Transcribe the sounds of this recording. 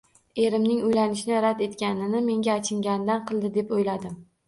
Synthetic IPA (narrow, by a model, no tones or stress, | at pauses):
e̞ɾɪmnɪŋojlanɪʃnɪɾad̪e̞t̪kʲanɪnɪme̞ŋʲaːt͡ʃʰɪŋɡʲand̪anqʰɨlˠd̪ɪd̪e̞pojlad̪ɪm